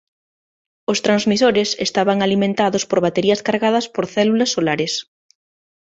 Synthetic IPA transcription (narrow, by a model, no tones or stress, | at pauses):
ost̪ɾanzmisoɾesḛst̪aβaŋalimẽnt̪aðospoɾβat̪eɾiɐskaɾɣaðɐspoɾθɛlulɐsːolaɾes